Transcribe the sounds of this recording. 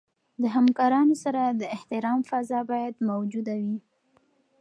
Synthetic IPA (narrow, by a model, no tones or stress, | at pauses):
d̪əɦamkɑɾɑnosaɾad̪əɪht̪ɪɾɑmfazɑbɑjad̪mawd͡ʒud̪awi